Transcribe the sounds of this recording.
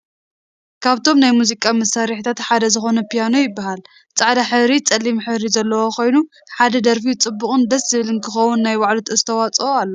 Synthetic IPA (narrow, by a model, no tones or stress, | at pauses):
kʰaβt̪ʰo̞mnajmuzikʼamɐsaɾiħt̪ʰat̪ħad̪ɐzɨxo̞nɐpʰijano̞jɪbːahal | t͡sʼaʕd̪aħɨβɾit͡sʼɐlːimħɨβɾizɐlːɐwo̞kʰo̞jnu | ħad̪ɐd̪ɐɾfit͡sʼɨbːuχʼɨnd̪ɐszɨβɨlɨnkʰɨxɐwːunːajwaʕlut̪ʰɐzɨt̪ʰɐwat͡sʼoalːo